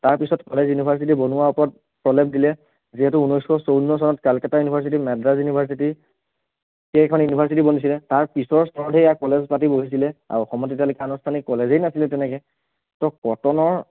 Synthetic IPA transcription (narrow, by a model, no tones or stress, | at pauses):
taɹpisɔtkɔlezjunibʱaɹs̬it̬ibɔnʊwaɔpɔɹɔt̚ | pɹɔlɛp̚dilɛ | ziɦɛtuunɔjskʰɔsownːɔs̬ɔnɔtkalkɛtajunibʱaɹs̬it̬imɛdɹazjunibʱaɹs̬iti | kekʰɔnjunibʱaɹs̬itibonis̬ilɛtaɹpisɔɹstʰɔɹdʱejakɔlezpatiboɦis̬ilɛa̰ɹɔxɔmɔtet̬ialokɛanɔstʰanikɔlezejnasilɛtɛnɛkɛ | tɔkɔtɔnɔɹ